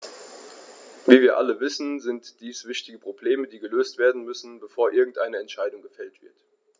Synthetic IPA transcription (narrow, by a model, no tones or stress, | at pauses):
viːviːɐʔa̰ləvɪsn̩zɪntd̥iːsv̥ɪçtɪɡəpʁ̥obleːmədiːɡəløːstv̥eːɐdn̩mʏsn̩bəfoːɐʔɪɐɡŋ̩tʔaɪnəɛntʃaɪdʊŋɡəfɛltv̥ɪɐt